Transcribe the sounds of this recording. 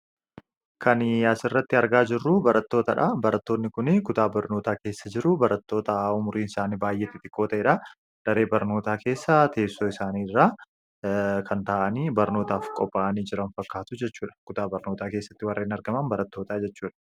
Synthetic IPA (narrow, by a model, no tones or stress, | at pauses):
kɐnɐsɪrːɐt̪ːɪɐɾɡaːd͡ʒɪrːʊbɐɾɐt̪ːoːt̪ɐᶑɐbɐɾɐt̪ːo̞ːnːɪkʊnɪkʊt̪aːbɐɾno̞ːt̪aːke̞ːsːɐd͡ʒɪɾʊbɐɾɐt̪ːo̞ːt̪ɐʊmʊɾiːnɪsaːniːbaːjʔeːt̪ːɪt̪ʼɪkːoːt̪ɐɛᶑɐ | d̥ɐɾe̞ːbɐɾno̞ːt̪aːke̞ːsːɐt̪ʰe̞ːsːo̞ːɪsaːniːrːaː | kʰɐnt̪aːʔɐniːbɐɾno̞ːt̪aːfkʼɔpʼːaːʔɐniːd͡ʒɪɾɐnfɐkːaːt̪ʊd͡ʒɛt͡ʃːuːᶑɐ̥kʊt̪aːbɐɾno̞ːt̪aːkeːsːɐ̥t̪ːɪwɐrːeːnɐɾɡɐmɐnbɐɾɐt̪ːoːt̪aːd͡ʒɛt͡ʃːuːᶑɐ̥